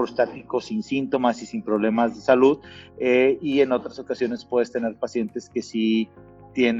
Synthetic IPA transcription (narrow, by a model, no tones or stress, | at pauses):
ɾost̪at̪iko̞sinsint̪o̞masisimpɾo̞βle̞mazðe̞saluðeie̞no̞t̪ɾaso̞kasjo̞ne̞spweðest̪e̞ne̞ɾpasje̞nt̪e̞ske̞si | t̪je̞n